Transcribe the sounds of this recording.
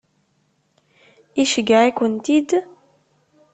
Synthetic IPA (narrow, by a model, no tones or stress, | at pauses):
iʃiɡaekunt̪id̪